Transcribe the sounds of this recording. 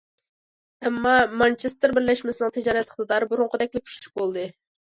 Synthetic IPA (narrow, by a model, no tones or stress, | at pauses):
ɛmːɑmɑnt͡ʃʰest̪ɪɾbɪɾlɛʃmɪsɨnɨŋt̪ʰɪd͡ʒɑːɾɛt̪ləχd̪ɨd̪ɑɾbuɾʊŋqəd̪ɛk̚ʲlɪkʰu̥ʃt͡ʃʰu̥qolˠd̪ɨ